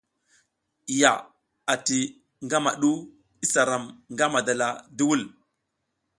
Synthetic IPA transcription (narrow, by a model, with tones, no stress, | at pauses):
ja˨ | a˨ti˨ | ŋɡa˦ma˨ɗu˦ | i˦sa˨ɾa˨mŋɡa˦ma˨da˨la˨du˦wu˦˨l